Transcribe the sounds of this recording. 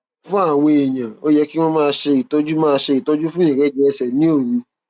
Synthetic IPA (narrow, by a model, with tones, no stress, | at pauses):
fũ˦a˦˨we˧e˨j̃ã˨o˦jɛ˦ki˦w̃ɔ̃˧mãː˦˧ʃe˧i˨tɔ˦d͡ʒu˦mãː˦˧ʃe˧i˨tɔ˦d͡ʒu˦fũ˦ɛ̃˨ɡɛ˨˦˨d͡ʒɛ˧sɛ˨nĩ˨˦o˦˨ɾũ˨˧˦